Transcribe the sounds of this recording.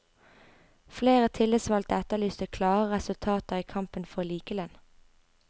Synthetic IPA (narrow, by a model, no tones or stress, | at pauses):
fleːʁət̪ʰɪləsʋɑlt̪əɛt̪əlyːst̪əkʰlɑːʁəʁɛsʉlt̪ʰɑːt̪əʁiːkʰɑmpənfɔliːkəlɛn